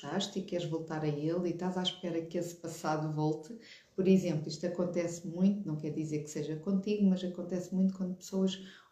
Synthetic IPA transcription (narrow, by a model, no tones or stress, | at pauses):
t̪aʃt̪ikɛɾʒvolˠt̪aɾɐelˠit̪azaʃpɛɾɐkespɐsaðuvɔlˠt̪ɨ | pɔɾizẽmplˠiʃt̪ɐkõnt̪ɛsmũj̃t̪unɐ̃w̃kɛɾðizeɾkseʒɐkõnt̪iɣumɐzɐkõnt̪ɛsmũj̃t̪ukwɐ̃nd̪upɨ̥soɐʃ